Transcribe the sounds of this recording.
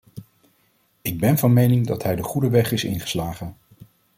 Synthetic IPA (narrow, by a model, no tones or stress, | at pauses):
ɪɡ̚bɛnvɑnmejnɪŋdɑtɦɛjdəχudəʋɛχɪsɪ̰nχə̥slaːχən